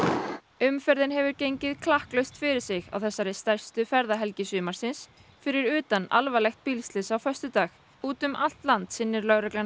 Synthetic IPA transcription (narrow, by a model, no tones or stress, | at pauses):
ʏmfɛɾðɪnhɛvʏɾcejɲcɪðkʰlahklœɥst̪fɪɾɪɾ̥sɪɣa̰wθɛsːaɾɪst̪ɛr̥st̪ʏfɛɾðaɦɛlcɪsʏːmaɾ̥sɪns | fɪɾɪɾʏːt̪ana̰lvalɛxt̪̚pilst̪lɪsawfœst̪ʏt̪aːx | uːt̪ʏmʔal̥t̪lant̪sɪnːɪɾlœɣɾɛklan